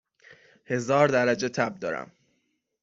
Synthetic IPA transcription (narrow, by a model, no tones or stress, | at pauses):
he̞zɒːɾd̪æɾæd͡ʒe̞t̪ʰæb̚d̪ɒ̰ːɾæ̰m